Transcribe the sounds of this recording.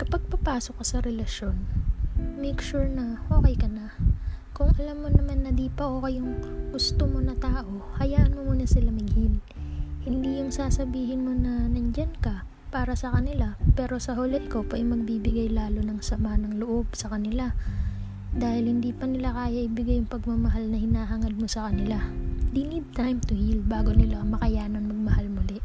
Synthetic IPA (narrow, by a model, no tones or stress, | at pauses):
kɐpɐɡ̚pɐpaːsokːɐsɐɾɛlɐʃjo̞n | mɛjkʃuɹnɐʔo̞ːkɛjkɐnakʊŋʔɐlamːo̞nɐmanːɐd̪iːpɐʔoːkɐjʊŋɡʊst̪omo̞nɐt̪aːʔo̞hɐjaːnomːnɐsɪlamɪŋhil | hɪnd̪ijʊŋsaːsɐbiːɦɪnmo̞nɐnɐnd͡ʒankɐ | paːɾɐsɐkɐnɪlapɛːɾo̞sɐɦʊlɛt̪̚kopɐʔɐjmɐɡ̚biːbɪɡajlaːlonɐŋsɐmanɐŋlʊʔo̞bsɐkɐnɪla | d̪aːhɪlhɪnd̪iːpɐnɪlakaːjɐʔɪbɪɡajːʊŋpɐɡ̚mɐmɐɦalnɐhɪnaːɦaŋɐd̪̚mo̞sɐkɐnɪlad̪ɪnid̪̚t̪ajmt̪ʊhilbaːɡonɪlamɐkɐjaːnɐnmɐɡ̚mɐhalmʊlɛʔ